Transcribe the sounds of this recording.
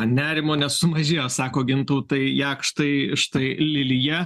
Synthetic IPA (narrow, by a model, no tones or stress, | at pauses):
nʲæːɾʲɪmoːnʲɛssʊmɐʒʲeːjoːsɑːkoːɡʲɪnt̪uʊt̪ɐɪjæːkʃt̪ɐɪʃt̪ɐɪlʲɪlʲɪjɛ